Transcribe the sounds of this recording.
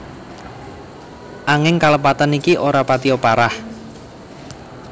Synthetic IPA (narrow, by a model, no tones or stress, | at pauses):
ʔaŋɪŋkaləpat̪anikiʔoɾapat̪iopaɾah